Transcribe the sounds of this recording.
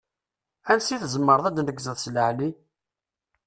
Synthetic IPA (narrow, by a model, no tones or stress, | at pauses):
ænsiθzəmːəɾðˤæd̪nəɡzəðsləʕli